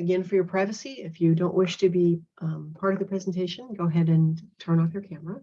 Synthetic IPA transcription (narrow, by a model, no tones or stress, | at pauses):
ɨɡɛ̃nfə˞jə˞pʰɹ̥aɪvɨsiɪfjɨdõʊ̃nʔwʔɪʃtʰɨbipʰɑɹɾʌvðəpʰɹ̥ɛzn̩tʰeɪʃɨ̃nɡoʊəɦɛɾɨ̃ntʰɜ̃˞ñɔfjə˞kʰæmə˞ə